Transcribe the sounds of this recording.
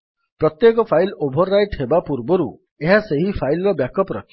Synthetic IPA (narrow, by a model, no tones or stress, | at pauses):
pɾɔt̪jekɔpʰajlobʱɔɾːajʈɦebapuɾbɔɾu | eɦaseɦipʰajlɔɾɔbjakɔpɔɾɔ̰kʰ